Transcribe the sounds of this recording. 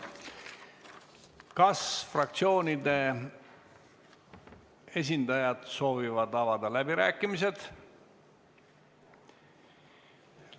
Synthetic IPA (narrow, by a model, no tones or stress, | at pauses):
kɑsfrɑk̚t̪sio̞ːnʲid̪e̞ | e̞s̬ʲind̪̥ɑjɑd̪̥so̞ːvivɑd̪ɑvɑd̪ɑlæbiɾæːkːˑimis̬e̞d̪̥